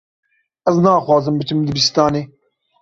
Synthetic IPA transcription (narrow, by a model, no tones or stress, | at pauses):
ɛznɑːxwɑːzɨmbɨt͡ʃɨmd̪ɨbist̪ɑːneː